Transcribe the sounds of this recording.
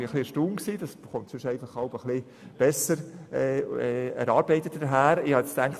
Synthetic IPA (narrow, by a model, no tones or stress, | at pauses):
ɪəχlɪʃtuːmksiːd̥ɑsχontsʏʃɛɪɡlχɑlpəχlɪ | b̥ɛsəɾɛːɛɛ̰ɾɑːɾb̥ɛɪtətdəɦæːɾɪhɑɛt͡stæŋkχt